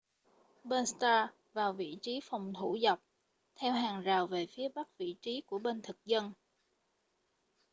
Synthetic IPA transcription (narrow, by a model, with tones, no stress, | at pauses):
ɓə˧nst̪aː˧ | vaː˨˩wvḭ˧˨t͡ɕi˨˦fa˨˩wŋ͡mt̪ʰu˧˩za˨˩wp̚ | t̪ʰɛ˧wɦaː˨˩ŋzaː˨˩wve˨˩fi˨˦əɓa˦˥k̚vḭ˧˨t͡ɕi˨˦ku˧˩əɓe˧nt̪ʰɨ˨˩k̚zə˧n